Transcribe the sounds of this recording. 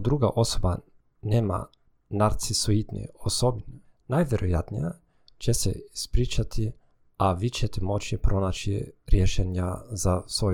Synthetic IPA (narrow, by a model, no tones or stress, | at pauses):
d̪ɾuɡaʔosoba | nema̰ | naɾt̪sisoit̪nḭosobin | najʋeɾʔojat̪nija | t͡ʃɛsɛ̰ispɾit͡ʃat̪ʰi | aʋit͡ʃɛt̪ɛmot͡ʃipɾonat͡ʃiɾjeʃenjazasʋo